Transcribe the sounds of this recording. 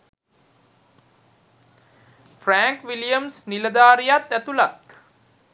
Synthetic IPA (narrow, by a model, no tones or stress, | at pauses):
fræːŋkʋilijəmsniləd̪aːɾijat̪æt̪ulat̪